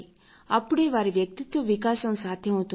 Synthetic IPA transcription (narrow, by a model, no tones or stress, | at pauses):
a̰puɽeʋaɾiʋjək̚t̪it̪ʋəʋikasə̃sat̪ʰeɦõt̪